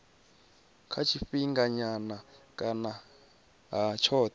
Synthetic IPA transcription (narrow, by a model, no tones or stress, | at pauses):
kʰat͡ʃʰifiŋɡaɲanakʼana | ɦat͡ʃʰɔːt̪